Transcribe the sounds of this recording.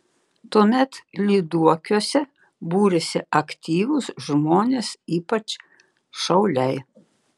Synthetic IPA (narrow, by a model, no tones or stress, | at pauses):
t̪uɔmʲɛt̪lʲiːd̪uɔkʲuɔsʲɛ | buːɾʲɛsʲɪɐkt̪ʲiːʋʊsʒmoːnʲeːsiːpɐt͡ʃ | ʃɐʊlʲɛɪ